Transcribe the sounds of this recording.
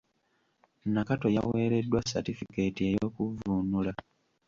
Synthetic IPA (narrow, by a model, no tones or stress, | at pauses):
nakato̞ja̰we̞ːɾe̞dːwasa̰tifike̞tiejoːkuvuːnula